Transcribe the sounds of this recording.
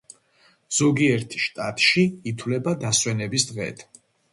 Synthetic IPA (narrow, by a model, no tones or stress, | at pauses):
z̥ɔɡiɛɾt̪ʰʃt̪ʼat̪ʼʃiːt̪ʰwlɛbad̪aswɛnɛbisd̪ʁɛ̰ːt̪ʰ